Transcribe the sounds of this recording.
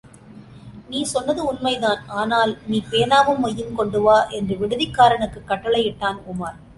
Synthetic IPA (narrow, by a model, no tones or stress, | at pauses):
niːsɔnːɐðɯʊnmɐɪðaːnʔaːnaːlniːpeːnaːʋɯmːɔjːɯmkɔɳɖɯʋaːʔɛndrɯʋɪɽɯðɪkːaːɾɐɳɯkːɯkːɐʈːɐɭɐɪjɪʈːaːnʊmaːɾ